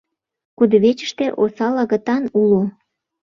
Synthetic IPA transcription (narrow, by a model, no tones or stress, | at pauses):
kud̪əβet͡ɕə̥ʃt̪eʔosɑlɑɣə̆t̪ɑnulo